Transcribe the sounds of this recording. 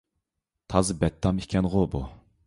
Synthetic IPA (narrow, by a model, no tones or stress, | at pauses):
t̪ʰɑzɨbɛt̪ʰːɑmikʲʰɛnʁobu